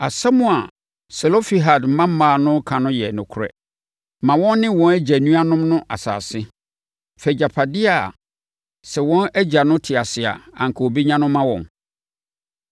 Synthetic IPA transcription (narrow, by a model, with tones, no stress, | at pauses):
a˨sa˦mʊ̃˨a˨ | sɛ˨lo˦fi˨ɦa˨dm̩˨˦mã˦m̩˦mãː˨nʊ̃˦kʰã˨nʊ̃˦jɛ˨nʊ̃˨kʰʊ˦ɾɛ̰˦ | mã˨wɔ̃˦nː˦ɪ̃˦wɔ̃˦næ˦d͡ʑa˨nũ˦a˦nʊ̃˦mnʊ̃˦ʔa̰˨sa̰ː˨sɪ˦ | fɛ˨d͡ʑa˨pʰa˨dɪ˦a̰˨ | sɛ˨wɔ̃˦næ˦d͡ʑa˨nʊ̃˦tʰɪ˨a˨sɪ˨a̰˨ã̰˨ŋkʰo˨o˨bi˦ɲã˦nʊ̃˦mã˦wɔ̰̃˨n